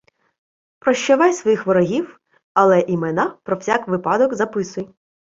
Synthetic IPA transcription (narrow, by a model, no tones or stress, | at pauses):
pɾɔʃt͡ʃɔʋɑjsʋɔjixʋɔɾɔɦʲiw | ɐlˠɛʔimɛnɑpɾɔwsʲɑkʋɪpɑd̪ɔkzɐpɪsʊj